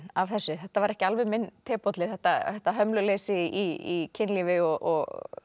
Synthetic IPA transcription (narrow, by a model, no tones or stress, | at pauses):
avθɛsːʏθɛht̪ːavaɾɛhcɪalvɛðmɪnt̪ʰɛːpɔt̪lɪθɛht̪aθɛht̪ːaɦœmlʏleːsɪiicʰɪnlivɪɔɣʔɔɣ